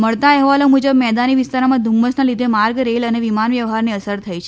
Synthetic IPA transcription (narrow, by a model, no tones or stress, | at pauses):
məɭt̪aɛɦʋalõmud͡ʒəbmɛd̪aniʋist̪aɾmãd̪ʱumːəsnalid̪ʱemaɾɡɾeləneʋimanʋjəʋɦaɾniəsəɾt̪ʰəjt͡ʃʰe